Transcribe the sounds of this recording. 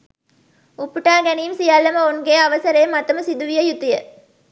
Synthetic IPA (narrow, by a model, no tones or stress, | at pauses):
upːuʈaːɡænijmsijalːɐmɐonɡeːɐʋɐsɐɾeːmːɐt̪ɐmusid̪uʋijɐjut̪ijə